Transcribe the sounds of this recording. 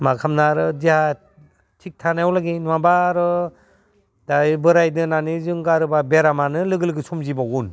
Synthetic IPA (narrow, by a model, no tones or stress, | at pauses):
makʰamnaɾɯdiha | tʰik̚tʰanajwlaɡinmabaɾɯ | dajbɯɾajdɯnanizɯŋɡaɾɯbabeɾamanɯlɯɡɯlɯɡɯsumzibaɡun